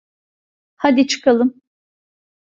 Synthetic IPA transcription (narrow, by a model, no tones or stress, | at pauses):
had̪it͡ʃʰɯ̥kʰalˠɯm